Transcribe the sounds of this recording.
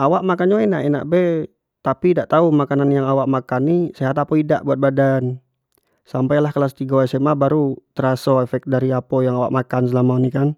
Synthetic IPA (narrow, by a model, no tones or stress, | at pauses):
awaʔmakanɲainaʔɛna̰ʔbɛ | t̪apidaʔt̪aumakananjaŋawaʔmakanːisaat̪apɔida̰ʔbuat̪̚badan | sampajlahkalasət̪iɡawasɛmabaɾut̪əɾasɔɛfɛk̪̚daɾiapɔjaŋawa̰ʔmakans̬əlamaunikan